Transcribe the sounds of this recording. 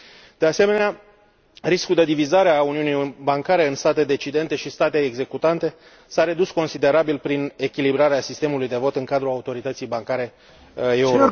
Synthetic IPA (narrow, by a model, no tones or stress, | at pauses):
d̪̥e̞ase̞me̞nea | ɾiskuld̪e̞d̪ivizaɾeauniunibaŋkaɾe̞ɨnst̪at̪e̞d̪e̞t͡ʃid̪e̞nt̪e̞ʃist̪at̪e̞ːɡze̞kut̪ant̪e̞ | saɾe̞d̪usko̞nsid̪e̞ɾabilpɾine̞kʲilibɾaɾeasist̪e̞mulujd̪e̞vo̞t̪ɨŋkad̪ɾuaut̪o̞ɾit̪ət̪sijbaŋkaɾe̞ | euɾ